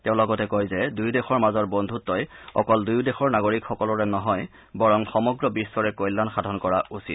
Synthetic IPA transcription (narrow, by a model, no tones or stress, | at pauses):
tɛʊ̃lɔɡɔtɛkojzɛdujdɛxɔɹmazɔɹbɔndʱutːɔjɔ̰kɔldujdɛxɔɹnaɡoɹikxɔkɔlɔɹɛnɔɦɔj | bɔɹɔŋxɔmɔɡɹɔbisːɔɹɛkojlːanxadʱɔnkɔɹausḭt